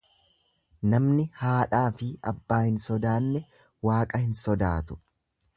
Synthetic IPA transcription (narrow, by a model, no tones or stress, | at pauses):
nɐmnɪhaːᶑaːfɪɐbːaːhɪnsɔd̪aːnːɛ | waːkʼɐhɪnsɔd̪aːt̪ʊ̥